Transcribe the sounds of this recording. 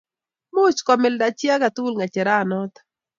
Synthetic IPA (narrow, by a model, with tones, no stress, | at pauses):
mo˦t͡ʃkɔ˨mɪ˨lda˨t͡ʃja˦ka˨t̪u˦lŋa˨t͡ʃɛ˨ɾaː˦˨nɔ˦t̪